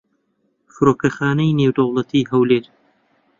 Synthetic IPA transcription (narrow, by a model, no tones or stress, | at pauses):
fɨɾoːkɐxaːnɐjneːwd̪ɐwlˠɐt̪ʰiːɦɐwleːɾ